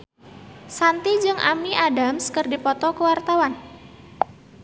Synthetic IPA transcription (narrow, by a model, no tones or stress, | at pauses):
sant̪id͡ʒɨŋʔamniʔadamskərdipɔt̪ɔkəwart̪awan